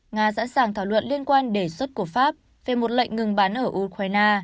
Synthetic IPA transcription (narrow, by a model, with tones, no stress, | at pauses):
ŋaː˧sa̰ː˧˥nsaː˨˩ŋt̪ʰaː˧˩wlwə̰˧˨nli˧ənkwaː˧nɗe˧˩swə˦˥t̚ku˧˩əfaː˦˥p̚ | ve˨˩mo˨˩t̚lə̰˧˨jŋ̟ŋɨ˨˩ŋɓaː˨˦nʔəː˧˩ʔu˧kwaː˧jnaː˧